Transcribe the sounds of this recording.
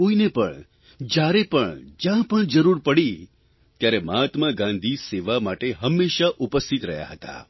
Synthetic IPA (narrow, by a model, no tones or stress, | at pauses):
oinepəɳ | d͡ʒjaɾepəɳd͡ʒjãpəɳd͡ʒəɾuɾpəɽi | t̪jaɾeməat̪maɡãnd̪ʱiseʋamaʈeɦəmːeʃaʔupəst̪ʰit̪ɾə̰ɦja̰ɦət̪a̰